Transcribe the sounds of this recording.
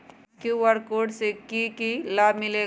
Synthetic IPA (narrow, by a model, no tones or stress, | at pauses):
kjuwəɾkoːɖsekikilaːmɪleː